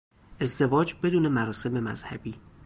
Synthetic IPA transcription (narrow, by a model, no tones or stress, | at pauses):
ʔe̞zd̪e̞vɒːd͡ʒbe̞d̪uːne̞mæɾɒːse̞me̞mæ̰z̥hæ̰biː